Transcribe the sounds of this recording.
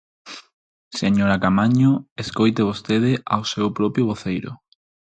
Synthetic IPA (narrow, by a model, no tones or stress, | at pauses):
seɲoɾakamaɲʊeskojt̪eβ̞ost̪eð̞ɪʔawsewpɾɔpjʊβoθejɾʊ̰